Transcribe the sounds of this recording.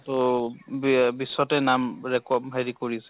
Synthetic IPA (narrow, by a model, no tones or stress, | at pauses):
tobbisːɔtɛnamɹɛkɔbɦeɹikoɹisɛ